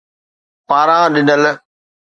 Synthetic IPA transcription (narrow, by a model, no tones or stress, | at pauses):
paːɾãːɗɪnəl